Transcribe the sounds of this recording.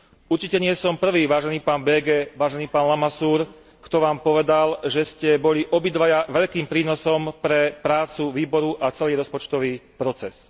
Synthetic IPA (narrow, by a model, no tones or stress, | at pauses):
uɾt͡ʃicɛɲɪɛsɔmpr̩ʋiːʋaːʒɛniːpaːnbɛːɡɛːʋaːʒɛniːpaːnlamasuːɾ | kt̪ɔʋaːmpɔʋɛd̪alʒɛscɛbɔʎiʔɔbid̪ʋajaʋɛʎkiːmpɾiːnɔsɔmpɾɛpɾaːt͡suʋiːbɔɾuʔat͡sɛliːɾɔspɔt͡ʃt̪ɔʋiːpɾɔt͡sɛs